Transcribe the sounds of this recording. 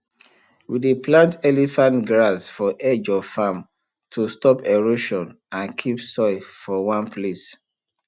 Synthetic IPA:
wideplãntɛlifãntɡɹasfɔʔed͡ʒɔvfam | tʰustɔpeɹoʃɔ̃n | ãnkʰipsɔɪfɔwãnpʰles

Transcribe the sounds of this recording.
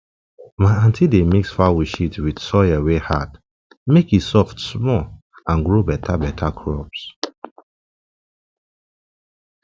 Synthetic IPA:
maɪãntʰidemiksfawiʃitwid̥sɔjɛwehat | mekisɔftsmɔl | ãnɡɹobɛtʰabɛtʰakʰɹɔps

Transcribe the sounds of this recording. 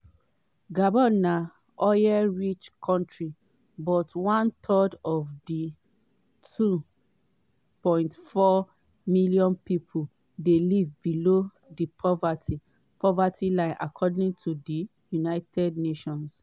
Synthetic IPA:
ɡabɔna | ɔjɛɹit͡ʃkʰɔ̃ntɹi | bɔtwãnt̪ʰɔdɔvdi | tʰu | pɔ̃ɪ̃ntfɔ | miljɔ̃npipʰu | delivbilo | dipʰɔvati | pʰɔvatilãɪ̃nʔakʰɔdĩŋtʰudi | junaɪtʰɛdneʃɔ̃ns

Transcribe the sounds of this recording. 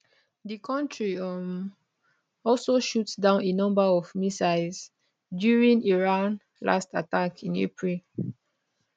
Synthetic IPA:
dikʰɔ̃ntʰɹiɔm | ɔlsoʃutsdãʊ̃nenʌ̃mbəɔvmisaɪls | djuɹĩniɹãn | la̰sta̰takʰĩnḛpʰɹil

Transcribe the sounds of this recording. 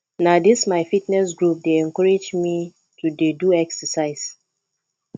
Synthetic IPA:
nadismaɪfitnɛsɡɹup̚deɛ̃ŋkɔɹed͡ʒmi | tudeduɛksəsaɪs

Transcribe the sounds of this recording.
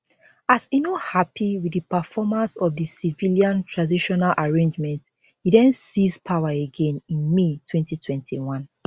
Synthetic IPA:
asinohapʰiwidipəfɔmãnsɔfdisiviliãntʰɹãdiʃɔnalʔaɹẽnd͡ʒmɛ̃nt | hidɛ̃nsispʰawaeɡẽnĩnmetʰwɛ̃ntitʰwɛ̃ntʰiwãn

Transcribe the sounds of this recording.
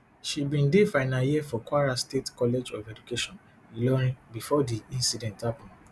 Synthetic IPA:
ʃibĩndefaɪnaljiɛfɔkaɾastetkɔlɛd͡ʒɔfɛd͡ʒukeʃɔ̃n | ilɔɾ̃ĩbifɔdiĩnsidɛ̃ntapɔ̃

